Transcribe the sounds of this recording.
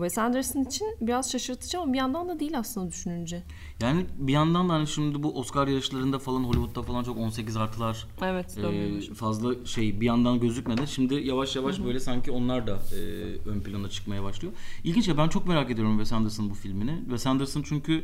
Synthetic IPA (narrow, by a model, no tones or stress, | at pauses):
vɛsænd̪ɯɾsɯnit͡ʃʰinbiɾazʃaʃɯɾt̪ʰɯ̥d͡ʒamabijand̪and̪ad̪ijːilʲaslˠɯnd̪ad̪yʃynynd͡ʒɛ | jaːnɪbijand̪and̪ahaniʃimd̪ɪbuʔo̞skaɾjaɾɯʃlˠaɾɯnd̪afalˠanɦo̞lʲivut̪̚ːafalˠant͡ʃʰo̞ko̞nse̞c̬izaɾt̪ʰɯlˠaɾ̥ | ɛvɛt̪øfazlˠaʃe̞jbijand̪anɟøzlʲycʲmed̪ænʃimd̪ɪjavaʃjavaʃbø̞jlʲɛsaɲcʰio̞nlˠaɾd̪aɯːønpilʲˠanat͡ʃʰɯ̥kmajabaʃlˠɯjoilʲɟinʃ̬jabænt͡ʃʰo̞kme̞ɾaːked̪ijo̞ɾumvɛsænd̪ɯɾsɯnbufilʲminɪvɛsænd̪ɯɾsɯnt͡ʃʰyɲcʰy